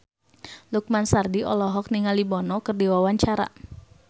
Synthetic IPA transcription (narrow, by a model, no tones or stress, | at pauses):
luk̚mansardiʔɔlɔɦɔk̚niŋalibɔnɔkərdiwawaɲt͡ʃaɾa̰